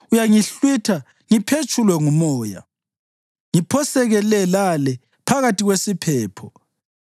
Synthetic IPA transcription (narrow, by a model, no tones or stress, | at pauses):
ujaŋiɬwitʰa | ŋipʰet͡ʃʰʼulwɛŋumɔːja̰ | ŋipʰɔsɛɣɛlɛlalɛ | pʰaɣatʰʼiɣwesipʰɛːpʰɔ